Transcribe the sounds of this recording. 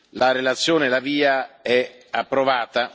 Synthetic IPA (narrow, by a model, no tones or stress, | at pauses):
laɾelat̪sːjoːnelaviːaɛ | apːɾovaːt̪a